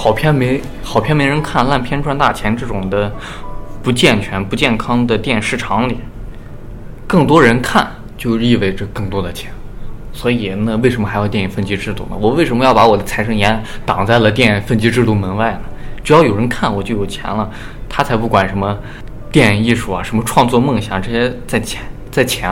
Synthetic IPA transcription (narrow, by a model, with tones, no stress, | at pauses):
xɑ˨˩ʊpʰjɛ˥nme˧˥ɪ | xɑ˨˩ʊpʰjɛ˥˩nme˧˥ɪɻə˧˥nkʰa˥˧nla˥˩npʰjɛ˥nʈ͡ʂʰwa˥nt̪a̰˥˩t͡ɕʰjɛ˧˥nʈ͡ʂɤ˥˩ʈ͡ʂʊ˨˩ŋd̪ə˦ | pu˧˥t͡ɕjɛ˥˩nt͡ɕʰɥɛ˧˥npu˧˥t͡ɕjɛ˥˩nkʰɑ˥ŋd̪ə˨t̪jɛ˥˧nʂɻ̩˥˩ʈ͡ʂʰɑ˧˥ŋli˨˩˦ | kɤ˥˩ŋt̪wɔ˥ɻə˧˥nkʰa̰˥˧˩n | t͡ɕjo˥˧ʊʂi˥˧we˥˩ɪʈ͡ʂə˧kɤ˥˩ŋt̪wɔ˥d̪ə˨t͡ɕʰjɛ˧˥nswɔ˧˥i˨˩nə˧we˥˩ʂə˧˥nmə˧xɪjɑ˥˧t̪jɛ˥˩i˥˩fə˥˩nt͡ɕi˥ʈ͡ʂɻ̩˥˧t̪u˥˩nə̰˩wɔ˨˩we˥˩ɪʂə˧˥nmə˧jɑ˥˩ʊpa˧˥wɔ˨˩d̪ə˦t͡sʰa˧˥ɪʂɤ˥ŋjɛ˧˥nt̪ɑ˨˩ŋt͡sa˥˩ɪlə˩t̪̬jɛ˥˩n˨˩fə˥˩nt͡ɕi˧˥ʈ͡ʂɻ̩˥˧t̪u˥˩mə˧˥nwa˥˩ɪnə˩t͡ɕu˧˥jɑ˥˩ʊjo˨˩ʊɻə˧˥nkʰa˥˩nwɔ˨˩t͡ɕjo˥˩ʊjo˨˩t͡ɕʰjɛ̰˧˥nlə˧ | t̪ʰa˥t͡sʰɪpu˥˩kwa˨˩nʂə˧˥mə˧ | t̪jɛ˥˩˧i˥˧ʂu˥˩ɐ̰˨˩ʂə˧˥nmə˧ʈ͡ʂʰwɑ˥˧ŋt͡swɔ˥˧mɤ˥˩ŋɕjɑ˨˩ŋʈ͡ʂɤ˥˧ɕjɛ˥t͡sa˥˩ɪt͡ɕʰt͡sa˥˩ɪt͡ɕʰjɛ˧˥